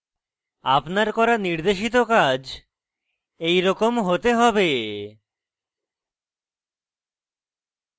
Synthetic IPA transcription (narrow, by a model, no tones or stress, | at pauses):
a̰pnaɾkɔɾaniɾd̪eʃ̬it̪okad͡ʑ | ejɾɔkomɦot̪eɦɔbe